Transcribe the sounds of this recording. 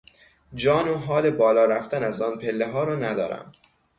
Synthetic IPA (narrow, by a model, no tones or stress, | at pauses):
d͡ʒɒːnoɦɒːlebɒːlɒːɾæft̪ænæzɒːnpʰe̞lːeɦɒːɾɒːnæd̪ɒ̰ːɾæ̰m